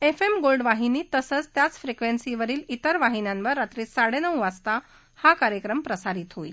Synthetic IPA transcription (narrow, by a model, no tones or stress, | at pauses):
efemɡolɖʋaɦiniːt̪əsət͡st̪jat͡sfɾikʋensiʋəɾiːlit̪əɾʋaɦinjãnʋəɾːat̪ɾiːt͡sːaɽenəʋast̪a | hakaɾjəkɾəmpɾəsaɾiːt̪ɦoḭl